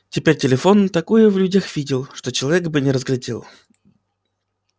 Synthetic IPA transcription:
tʲɪpʲeɾʲtʲɪlʲɪfo̞nt̪ɐkojəvlʲʉdʲaxvʲidʲɪlˠʂt̪ot͡ɕɪlˠɐvʲekbɨnʲɪɾəzɡlʲɪdʲḛlˠ

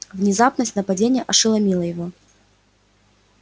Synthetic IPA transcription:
vnʲɪzapnəsʲtʲnəpɐdʲenʲɪjəʔɐʂɨlˠɐmʲilˠəjɪvo̞

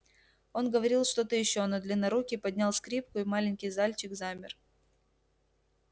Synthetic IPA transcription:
o̞nɡəvɐɾʲilˠʂt̪o̞t̪əjɪɕːo̞nəd̪lʲɪnɐɾukʲɪpɐdʲnʲalˠskɾʲip̚kʊimalʲɪnʲkʲɪjzalʲt͡ɕɪɡzamʲɪ̰r

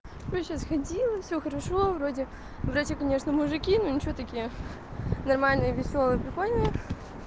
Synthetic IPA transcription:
sʲoɕasxɐdʲilˠəfsʲoxəɾɐʂovɾodʲɪ | vɾat͡ɕʲɪkɐnʲe̞ʂnəmʊʐɨkʲinonʲɪt͡ɕɪvʲot̪ɐkʲijə | nɐrmalʲnɨjəvʲɪsʲo̞lˠəjəpɾʲɪkolʲnʲɪjə

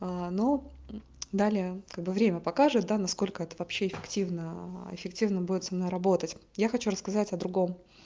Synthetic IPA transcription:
anou | d̪alʲɪjəkaɡ̚bɨvɾʲemʲəpɐkaʐɨt̪̚d̪anɐsko̞lʲkəɛt̪əvɐpɕːeɪfʲɪktʲivnəɪ̰fʲɪktʲivnəbudʲɪt̪sɐmnojrɐbo̞t̪ətʲ | jaxɐt͡ɕuɾəskɐzatʲɐd̪ɾʊɡo̞m

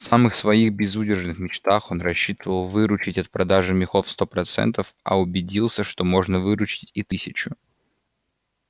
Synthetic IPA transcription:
fsamɨxsvɐixbʲɪzudʲɪrʐɨnɨxmʲɪt͡ɕt̪axo̞nrɐɕːit̪əvəlˠvɨɾʊt͡ɕɪtʲɐt̪̚pɾɐd̪aʐɨmʲɪxo̞fst̪o̞pɾɐt̪sɛ̰nt̪əfɐ̰ʊbʲɪdʲilˠsʲəʂt̪o̞mo̞ʐnəvɨɾʊt͡ɕɪ̥tʲit̪ɨsʲɪt͡ɕʊ

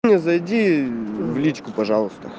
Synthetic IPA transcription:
nʲezɐjdʲivlʲit͡ɕʲkʊpɐʐɑlˠʊst̪ə̰

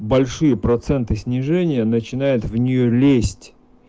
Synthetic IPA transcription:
bɐlʲʂɨjəpɾɐt̪sɛnt̪ɨsʲnʲɪʐɛnʲɪjənət͡ɕɪnajʊt̪vnʲɪjolʲesʲtʲ

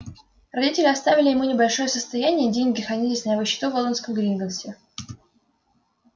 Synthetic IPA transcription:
rɐdʲitʲɪlʲɪɐst̪avʲɪlʲɪjɪmunʲɪbɐlʲʂo̞jəsəst̪ɐjænʲɪjədʲeŋʲɡʲɪxɐnʲizʲɪsʲnʲavəɕːɪ̥t̪uvolˠənskəmɡɾʲinɡənsʲɪ

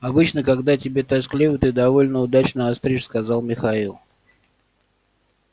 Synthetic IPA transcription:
ɐbɨt͡ɕnəkɐɡd̪atʲɪbʲe̞t̪ɐsklʲivət̪ɨd̪ɐvo̞lʲnəʊd̪at͡ɕnəɐst̪ɾʲiʂskɐzɑlˠmʲɪxɐilˠ

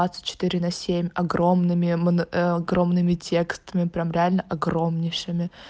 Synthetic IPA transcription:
at̪sɨ̥t̚ʲt͡ɕːɪ̥t̪iɾʲɪnɐsʲemʲɐɡɾo̞mnɨmʲɪmnɐɡro̞mnɨmʲɪtʲe̞kst̪əmʲɪpɾʲamɾʲɪalʲnəʔɐɡɾo̞mnʲɪʂɪmʲɪ

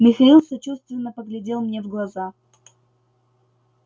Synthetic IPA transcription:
mʲɪxɐilˠsɐt͡ɕust̪vʲɪnːəpəɡlʲɪdʲelˠmnʲevɡlˠɐza

